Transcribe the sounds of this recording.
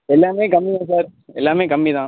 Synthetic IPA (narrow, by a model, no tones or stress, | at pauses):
ɛlːamẽkɐmːiãːs̬ɐɾɛlːaːmẽkɐmːid̪ãː